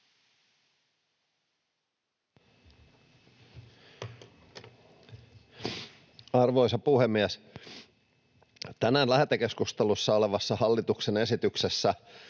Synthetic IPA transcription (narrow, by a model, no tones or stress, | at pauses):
ɑrʋo̞jsɑpuhemːiæs | t̪ænænlæhæt̪æke̞skust̪elusːɑoleʋɑsːɑhɑlːit̪uksene̞sit̪yksesːæ